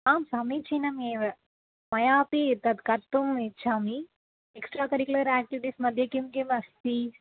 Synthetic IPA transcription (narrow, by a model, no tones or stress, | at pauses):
aːmsamit͡ʃiːnɐmeːʋɐ | mɐjaːpit̪ɐd̪kɐɾt̪umet͡ʃʰami | eksʈɾaːkɐɾikulɐɾæːk̚ʈiʋiʈiːsmɐd̪ʱjɐkimkemɐst̪i